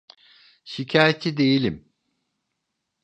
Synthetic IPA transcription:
ʃicʰaːjet̪ʰid̪e̞jilʲim

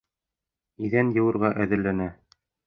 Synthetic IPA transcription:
iðænjɤ̆wɤ̆ɾʁɑʔæðɘ̆ɾlænæ

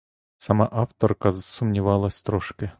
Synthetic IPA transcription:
sɐmaʔaft̪orkɐsʊmnʲɪvalˠɐsʲt̪ɾoʂkʲɪ

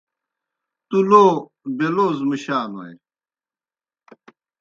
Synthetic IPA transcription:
t̪uloː | beloːzmiɕaːnowɐ̰j

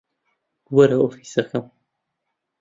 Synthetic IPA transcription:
wɐɾɐofisɐxɐm

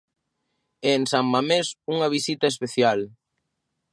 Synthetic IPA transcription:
ɛnsaŋmamesuŋɐβ̞isit̪ɐespeθjal

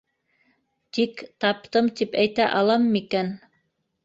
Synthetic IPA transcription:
t̪ikt̪ɑp̚t̪ɤmt̪ipæjt̪æʔɑlˠɑmɤmikæn

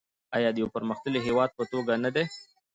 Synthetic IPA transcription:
ɑjɑd̪əjawpəɾməxt̪əliɦewɑd̪̚pət̪oɡanad̪e

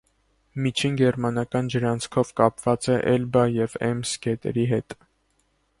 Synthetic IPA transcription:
mit͡ʃʰinɡɛɾmɑnɑkɑnd͡ʒəɾɑnt͡sʰkʰɔvkɑpvɑt͡sɛʔɛlbɑjɛvɛ̰mskɛt̪ɛ̰ɾiɦɛt̪

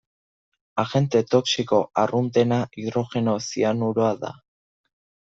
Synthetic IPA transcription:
axe̞nt̪e̞t̪o̞ksiko̞arunt̪e̞naʔiðɾo̞xe̞no̞sianuɾoaða̰

